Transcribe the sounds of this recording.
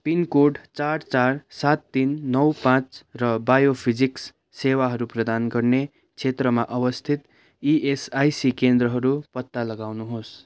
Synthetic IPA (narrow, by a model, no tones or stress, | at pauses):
pinkoɖt͡sart͡sarsat̪ːinːʌwpãt͡srʌbajopʰid͡ziksː | ewaɦʌɾuprʌd̪anɡʌrne | kt͡sʰet̪rʌmaʔʌbʌst̪ʰit̪ | iʔesajsikend̪ɾʌɦʌɾupʌt̪ːalʌɡawnuɦos